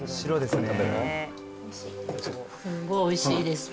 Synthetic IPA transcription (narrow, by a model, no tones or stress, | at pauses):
ɕiɾod̪esɨneaeɾa | oiɕisɨɡoioiɕiːd̪e̞sɨ̥